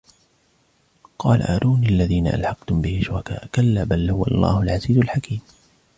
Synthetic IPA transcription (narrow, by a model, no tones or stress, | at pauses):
qɑːla̰ʔaːɾʔuːniʔalːaðiːnaʔa̰lħɑqt̪ʊmbɪhɪʃʊɾɑka̰ːʔkalːabalhʊwa̰lˤːɑ̰ːhʊlʕaziːzʊlħakiːm